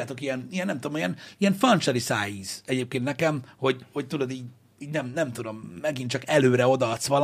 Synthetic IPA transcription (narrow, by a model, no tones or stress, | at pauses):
aːt̪o̞kiɛnijɛnːɛmt̪ud̪omijɛniɛɱfɒnt͡ʃɛlisaːjiːz̥ɛɟeːp̚keːnt̪nɛkɛmho̞ɟhoc̚t̪ud̪lod̪iːɟ | iːɟnɛmnɛmt̪ud̪o̞mːɛɡint͡ʃɒkɛløːɾɛo̞d̪ɒɒt̪sʋɒl